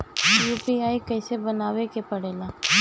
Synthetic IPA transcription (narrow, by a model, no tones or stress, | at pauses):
sjuːpiaːikɐːsebɐnaːwekepɐɽeːlaː